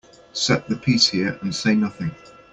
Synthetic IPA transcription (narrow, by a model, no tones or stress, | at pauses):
sɛʔðəpʰiˑshɪəɹə̃nseɪnʌθɪ̃ŋ